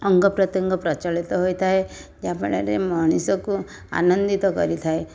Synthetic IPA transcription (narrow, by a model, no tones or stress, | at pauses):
ɔŋɡɔpɾɔt̪jɔŋɡɔpɾɔt͡ʃɔɭit̪ɔɦojt̪ʰaed͡ʒapɔɽaɾemɔɽ̃isɔku | a̰nɔnd̪it̪ɔkɔ̰ɾit̪ʰae